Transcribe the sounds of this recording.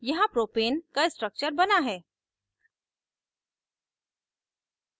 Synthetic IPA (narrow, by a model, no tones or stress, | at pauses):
jɐɦãpɾoːpeːnkaɪsʈɾək̚t͡ʃəɾbɐnaɦɛː